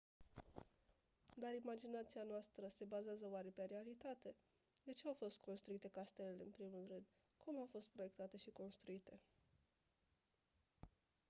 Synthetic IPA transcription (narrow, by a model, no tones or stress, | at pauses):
d̪aɾimad͡ʒinat̪sianoast̪ɾəse̞bazeazəoaɾe̞peɾealit̪at̪e̞ | d̪e̞t͡ʃe̞awfo̞st̪̚kʰo̞nst̪ɾuit̪e̞kast̪e̞lelḛɨnpɾimulrɨnd̪̥ | kumawfo̞st̪̚pɾo̞je̞k̚t̪at̪e̞ʃiko̞nst̪ɾuit̪e̞